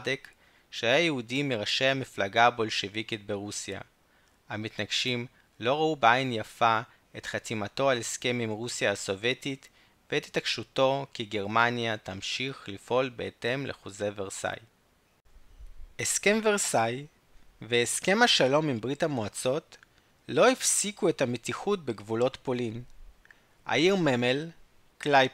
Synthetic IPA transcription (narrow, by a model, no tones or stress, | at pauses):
dek | ʃeajajeudimiʁaʃejhamiflaɡabo̞lʃevikit̚beʁusja̰ | amitnaɡʃim | lo̞ʁaubeajnjafa | e̞tχatimato̞aleske̞mimʁusjaaso̞vjetit | veːt̪hi̥takʃuto̞kiɡe̞ʁmanjatamʃiχlifʔo̞lbe̞̰ːte̞mlʔḛχoze̞veʁsa̰j | eske̞mveʁsaj | veeske̞maʃalo̞mimbʁithamoat͡so̞t | lohifsikue̞thametiχut̚beɡvulo̞tpo̞lin | ʔa̰jiʁmemel | klaj